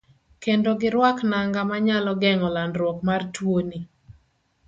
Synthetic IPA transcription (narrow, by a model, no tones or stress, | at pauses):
kendoɡɪɾwaknaŋɡamaɲalɔɡɛŋɔlandɾwɔkmartwoni